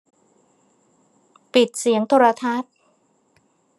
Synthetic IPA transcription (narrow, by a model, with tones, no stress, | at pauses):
pi˨˩t̪̚si˩˦əŋt̪ʰoː˧ɾa˧t̪ʰa˦˥˩t̪̚